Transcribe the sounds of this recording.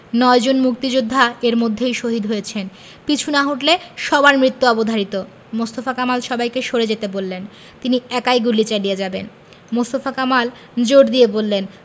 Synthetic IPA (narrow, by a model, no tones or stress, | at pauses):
nɔed͡ʑonmuk̚t̪id͡ʑud̪ʱːaeɾmod̪ʱːejʃoɦid̪ɦojet͡ɕʰen | pit͡ɕʰunaɦoʈleʃɔbaɾmɾit̪ːuɔbod̪ʱaɾit̪o | most̪ofakamalʃɔbajkeʃoɾed͡ʑet̪ebolːen | t̪iniɛkajɡulit͡ɕaɖied͡ʑaben | most̪ofakamal | d͡ʑoɖd̪iebolːen